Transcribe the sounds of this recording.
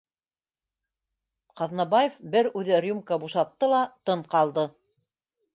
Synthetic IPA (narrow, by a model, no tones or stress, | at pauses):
qɑðnɑbajefbɘɾʉðɘrʲumkəbuʃɑt̪ːɤlˠɑt̪ɤɴqɑlˠd̪ɤ